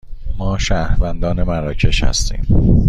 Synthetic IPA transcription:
mɒːʃæːhɾvænd̪ɒːnemæɾɒːcʰe̞ʃhæ̰st̪ʰḭːm

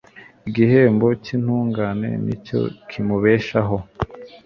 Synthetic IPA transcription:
iɡihe̞ːmbo̞cin̥huːŋɡane̞̰nḭco̞̰kʰimuβe̞ːʃaɦo̞

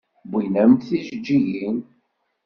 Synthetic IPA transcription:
bʷinæmt̪θiʒd͡ʒːijin

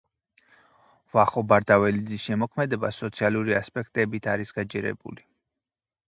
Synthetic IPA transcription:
vaχɔbaɾd̪avɛlid̪zisʃɛmɔkʰmɛd̪ɛbasɔt̪sʰialˠuɾiaspʼɛkʰt̪ʼɛbit̪ʰaɾisɡ̥ad͡ʒɛɾɛ̰bṵli

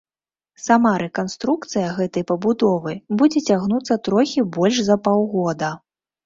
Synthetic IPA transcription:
samaɾɛkanst̪ɾuk̚t̪sɨjɐɣɛt̪ɐjpɐbud̪ɔvɨbud͡zʲɛt͡sʲaɣnut̪sːɐt̪ɾɔxʲibɔlʲʂzɐpawɣɔd̪ɐ

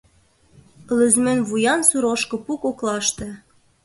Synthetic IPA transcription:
løzmønβujɑnsuɾoʃkɤ̆pukoklɑʃt̪ĕ

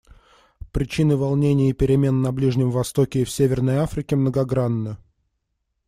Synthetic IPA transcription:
pɾʲɪt͡ɕinɨvɐlˠnʲenʲɪjɪpʲɪɾʲɪmʲe̞nːɐblʲiʐnʲɪmvɐst̪o̞kʲɪːfsʲevʲɪrnəjafɾʲɪkʲɪmnəɡɐɡɾanːə

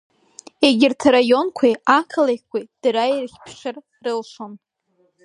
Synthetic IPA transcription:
e̞ɡʲɪrtʰrajo̞nkʷʰeakʰaleχʲkʷʰid̥rajrχʲpʰʂʷɪr | rɨlʃon

